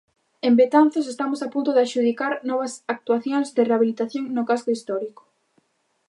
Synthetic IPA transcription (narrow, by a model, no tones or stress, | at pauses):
embet̪an̟θosest̪amosapunt̪ʊðɪaʃuð̞ikaɾnɔβ̞ɐsak̚t̪uaθjoŋzðɪreaβ̞ilit̪aθjoŋnʊkaskʊist̪ɔɾiko̥